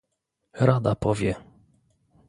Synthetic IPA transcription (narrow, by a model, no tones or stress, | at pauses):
ɾad̪apɔvʲjɛ